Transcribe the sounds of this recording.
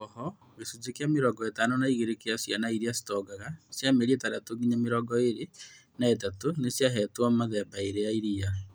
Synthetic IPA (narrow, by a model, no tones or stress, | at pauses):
ɔhɔ | ɣesud͡ʒekeameɾɔɡɔetanonaiɣeɾekeasjanaiɾiasi̥tɔɡaɣasjameɾietaɾatoɡiɲameɾɔɡɔeɾe | naet̬atonesjaɦɛtwamaðɛbaeɾejaiɾijaɾɛ